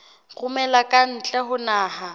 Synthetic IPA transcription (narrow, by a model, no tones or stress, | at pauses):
ɣʰʼʊmɛlakʼan̩t͡ɬʼɛɦʊnaːha